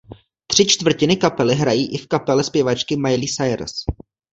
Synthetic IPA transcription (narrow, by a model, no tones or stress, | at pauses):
t̪r̝̥ɪt͡ʃt̪vr̩cɪnɪkapɛlɪɦɾajiːʔɪfkapɛlɛspjɛvat͡ʃkɪmajliːsajɾ̰s